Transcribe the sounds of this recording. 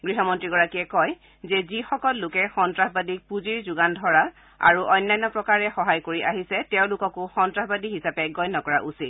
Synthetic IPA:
ɡɹiɦɔmɔntɹiɡɔɹakiɛkɔj | zɛzixɔkɔlːʊkɛxɔntɹaɦbadik̚puziɹzuɡandʱɔɹa | a̰ɹuʔɔjnːajnːɔpɹɔkaɹɛxɔɦajkoɹiʔaɦisɛtɛʊ̃lʊkɔkʊxɔntɹaɦbadiɦisapɛɡɔjnːɔkɔɹaʔusit

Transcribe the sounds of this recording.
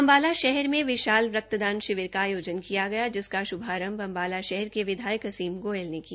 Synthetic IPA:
ɐmbaːlaʃɛɦɛɾmẽʋɪʃaːlʋɾəɐk̚t̪əd̪ãːnʃɪʋɪɾkaːjoːd͡ʒənkijaɡɐjad͡ʒɪskaʃʊbʱaːɾə̃mbɐ̃mbaːlaʃɛɦɛɾkeʋɪd̪ʱaːjəkɐsiːmɡoːelneki

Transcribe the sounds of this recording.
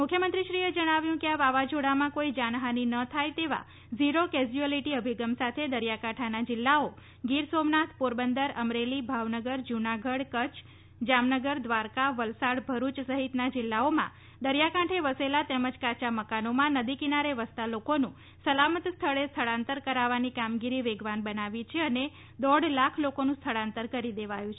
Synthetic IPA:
mʊkʰjəmənt̪ɾiʃɾied͡ʒəɽ̃aʋjũkeaʋaʋad͡ʒoɽamãkoid͡ʒanɦaninət̪ʰajt̪eʋa̰ | ziɾoked͡ʒiəliʈiəbʱiɡəmsat̪ʰed̪əɾjakãʈʰanad͡ʒɪlːao | ɡiɾsomnat̪ʰpoɾbənd̪əɾəmɾelibʱaʋnəɡəɾd͡ʒunaɡəɽkət͡ʃʰ | d͡ʒamnəɡəɾd̪ʋaɾkaʋəlsaɽbʱəɾut͡ʃsəɦit̪nad͡ʒɪlːaomã̰ | d̪əɾjakãʈʰeʋəselat̪eməd͡ʒkat͡ʃaməkanomãnəd̪ikinaɾeʋəst̪alokonũ | səlamət̪st̪ʰəɭest̪ʰəɭãnt̪əɾkəɾaʋanikamɡiɾiʋeɡʋanbənaʋit͡ʃʰeəne | d̪ɔɽlakʰlokonũst̪ʰəɭãnt̪əɾkəɾid̪eʋajũt͡ʃʰ

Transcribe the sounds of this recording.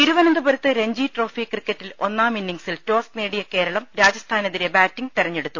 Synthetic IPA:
iɾuʋɐnɐnd̪ɨbɐɾut̪ːɨɾe̞ɲd͡ʑiʈro̞ːfikrikːɐtːilo̞nːaːminːiŋsilto̞ːsneːɽijɐke̞ːɾɐɭɐmɾaːd͡ʑɐst̪ʰaːneðiɾebaːtːiŋt̪iɾɐɲːeɽut̪ːu

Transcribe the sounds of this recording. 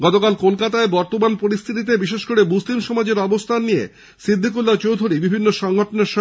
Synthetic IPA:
ɡɔt̪okalkolkat̪aebɔɾt̪omanpoɾist̪ʰit̪̬it̪̬ebiʃeʃkoɾebuslimʃɔmad͡ʑeɾɔbost̪ʰanːijḛ | sɾid̪ʱːikulːat͡ɕowd̪ʱuɾibibʱinːoʃɔŋɡʱoʈoneɾʃɔ

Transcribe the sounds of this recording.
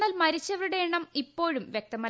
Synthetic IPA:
ɐːlmɐɾit͡ɕːɐʋɐɾuɽeeɳɐmipːo̞ːɻumʋjek̚t̪ɐmɐ

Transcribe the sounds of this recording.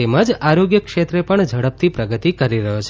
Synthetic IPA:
eməd͡ʒaɾoɡjəkʃet̪ɾepəɳd͡ʒʱəɽəp̚t̪ʰipɾəɡət̪ikəɾiɾəɦjot͡ʃʰ

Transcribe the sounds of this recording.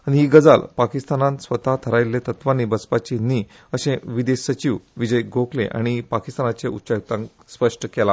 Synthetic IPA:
añiɦiːɡəd͡zalpakist̪anãt̪sʋət̪at̪ʰəɾajlːet̪ət̪ʋanibət͡spat͡ɕini | əɕẽʋid̪esət͡ɕiʋʋid͡ʑəjɡʱoklḛ̃ʔa̰ɽ̃ipakist̪anat͡seutːɕajut̪ãŋk | spəʂʈəkɛla

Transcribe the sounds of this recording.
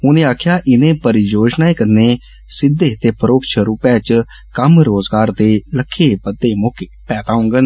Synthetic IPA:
ɦʊnẽːaːkʰjaːʔɪnẽːpəɾjoːd͡ʒnaːiːkəneː | sɪd̪ːeːt̪eːpʰəɾoːkʃʰəɾuːpaːt͡ʃ | kəmɾoːzɡaːɾd̪eːləkʰːeːpəd̪ːeːmoːkeːpɛːt̪aːʊ̃ŋɡən

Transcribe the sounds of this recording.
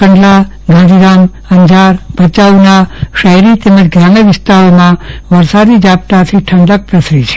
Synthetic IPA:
kəɳɖla | ɡãnd̪ʱiɾam | əɲd͡ʒaɾb̥ət͡ʃaʋnaʃəɦɾit̪eməd͡ʒɡɾameʋɪst̪aɾomãʋəɾsad̪id͡ʒap̚t̪at̪ʰiʈʰəɳɖək̚pɾəsɾit͡ʃʰe̥

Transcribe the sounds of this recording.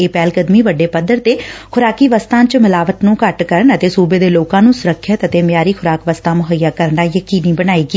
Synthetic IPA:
eːpɛːlkəd̪miːʋəɖːeːpəd̪əɾt̪eːkʰʊɾaːkiːʋəst̪ãːt͡ʃmɪlaːʋət̪nũːkəʈkəɾəɳət̪eːsuːbeːd̪eːloːkãːnũːsʊɾəkʰːət̪ət̪eːmjaːɾiːkʰʊɾaːkʋəst̪ãːmʊɦəjːaːkəɾɳaːjəkiːniːbənaːiːɡiː

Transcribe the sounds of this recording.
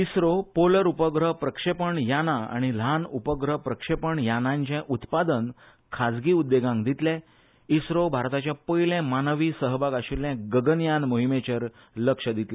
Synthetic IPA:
isɾopoləɾupəɡɾəɦpɾəkʂepəɳjanaa̰ɽ̃ilanupəɡɾəpɾəkʂepəɳjanãɲt͡ɕɛ̃ʔut̪pad̪ən | kʰad͡zɡiːud̪ːeɡãŋɡd̪it̪lɛ̃ | isɾobʱaɾt̪at͡ɕjãpəjlɛ̃manʋiːsəɦbaɡaɕilːɛ̃ɡəɡənjanmoɦimet͡ɕəɾ | ləkʂəd̪it̪lɛ

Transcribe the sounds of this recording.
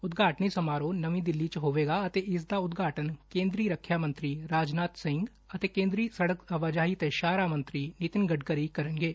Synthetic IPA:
ʊt̪ɡaːʈniːsəmaːɾoːnəʋĩːd̪ɪlːiːt͡ʃɦoːʋeːɡaːət̪eːɪsd̪aːʊt̪ɡaːʈənkẽːnd̪ɾiːɾəkʰːjaːmə̃nt̪ɾiːɾaːd͡ʒnaːt̪sɪŋɡ | ət̪eːkẽːnd̪ɾiːsəɽəkəʋaːd͡ʒaːɦiːt̪eʃaːɾaːmə̃nt̪ɾiːnɪt̪ɪnɡəɖkəɾiːkəɾənɡeː

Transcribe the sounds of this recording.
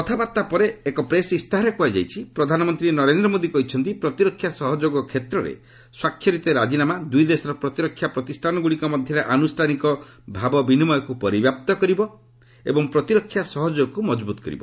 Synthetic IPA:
kɔt̪ʰabaɾt̪apɔɾeːkɔpɾesist̪aɦaɾekuajd͡ʒa̰jt͡ʃʰipɾɔd̪ʱanɔmɔnt̪ɾinɔɾend̪ɾɔmod̪ikɔɦit͡ʃʰɔnt̪ipɾɔt̪iɾɔkʰːjasɔɦɔd͡ʒoɡɔkʰet̪ɾɔɾḛ | swakʰːjɔɾit̪ɔɾad͡ʒinamad̪ujd̪esɔɾɔpɾɔt̪iɾɔkʰːjapɾɔt̪isʈʰanɔɡuɽikɔmɔd̪ʱjɔɾeʔanusʈʰanikɔ | bʱabɔbinimɔjɔkupɔɾibjap̚t̪ɔkɔɾibɔ | ḛbɔŋpɾɔt̪iɾɔkʰːjasɔɦɔd͡ʒoɡɔkumɔd͡ʒbut̪ɔ̥kɔ̰ɾḭbɔ

